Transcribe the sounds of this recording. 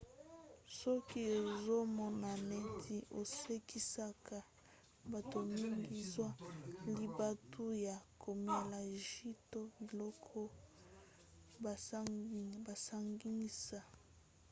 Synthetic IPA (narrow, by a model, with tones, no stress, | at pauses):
sɔ˦ki˦e˨zo˦mɔ˨na˨ne˦tʰi˨ʔo˨se˦kʰi˦sa˦kʰa˨ | ba˨to˨mi˦ŋɡi˦zwa˦li˨ba˦tʰu˦ja˨kʰo˨me˨la˨ʒi˦to˦bi˨lɔ˦kʰɔ˦˨ | ba˨sa˦ŋɡi˦ni˦sa˦